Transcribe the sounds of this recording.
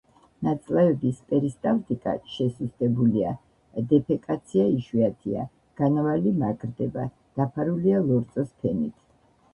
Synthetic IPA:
nat̪sʼlɛvɛbispʼɛɾist̪ʼavt̪ʼikʼa̰ʃɛsust̪ʼɛbulia̰ | d̪ɛpʰɛkʼat̪sʰiaiʃiat̪ʰia | ɡ̥anavalimaɡʼɾd̪ɛba̰ | d̪̥apʰaɾulialˠɔɾt̪sʼɔspʰɛnḭt̪ʰ

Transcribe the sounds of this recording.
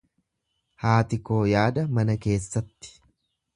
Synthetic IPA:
haːt̪ɪko̞ːjaːd̪ɐmɐnɐke̞ːsːɐt̪ːɪ̥

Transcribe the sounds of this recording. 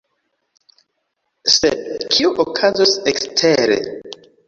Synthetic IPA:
sḛd̚kʰiuʔokʰazosekstʰeɾḛ

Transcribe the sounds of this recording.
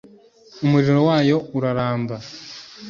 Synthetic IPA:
umuɾiɾowaːjo̞uɾaɾaːmba

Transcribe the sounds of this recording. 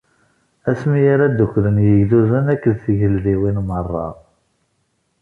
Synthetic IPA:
æsmijaɾæd̪əkʷːɾənjəʝðuzənækːəðθəʝəlðiwinmərˤːɑ̰

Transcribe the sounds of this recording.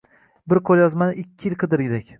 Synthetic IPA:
bɪɾqʰolˠjɒzmanɪɪkʲʰːɪjɪlˠqʰɨd̪ɪɾɡʲɪd̪ekʲ

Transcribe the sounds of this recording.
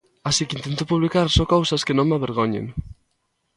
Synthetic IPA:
asikɪint̪ent̪opuβlikaɾsokowsɐskenõŋmaβeɾɣoɲḛŋ

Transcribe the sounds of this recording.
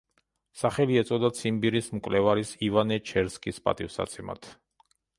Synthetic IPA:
saχɛliɛt̪sʼɔd̪at̪sʰimbiɾismkʼwlɛvaɾisivanɛt͡ʃʰɛɾskʼispʼa̰t̪ʼivsa̰t̪sʰɛma̰t̪ʰ

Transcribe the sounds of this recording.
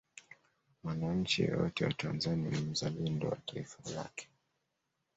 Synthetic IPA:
wanaɲ̩t͡ʃijɔ̰jɔtɛwata̰nzaniammuzalɛndɔwataifala̰kɛ̥

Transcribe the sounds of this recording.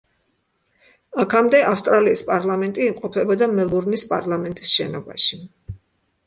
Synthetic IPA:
akʰamd̪ɛʔafst̪ʼɾaliːspʼaɾlˠamɛnt̪ʼiːmqʼɔpʰɛbɔd̪amɛlˠuɾnispʼa̰ɾlˠamɛnt̪ʼisʃɛ̰nɔba̰ʃi

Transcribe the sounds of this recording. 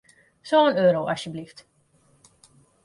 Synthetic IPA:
soənøːɾoʔɑsjəblift

